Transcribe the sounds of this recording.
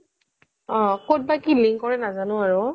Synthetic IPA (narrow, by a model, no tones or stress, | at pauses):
ɔ̃kot̚bakiliŋkːɔɹɛnazanʊ̃aɹʊ